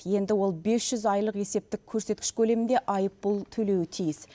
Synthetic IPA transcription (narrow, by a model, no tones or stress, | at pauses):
je̞nd̪ɪwo̞lˠbe̞sʒ̥ʏzɑjlˠəqe̞se̞p̚t̪ɪk̚ʲʰːɵɾse̞t̪̚kʲɪʃkʲʰɵle̞mɪnd̪e̞ʔɑjəpbʊlˠt̪ʰɵle̞wɪt̪ʰijɪs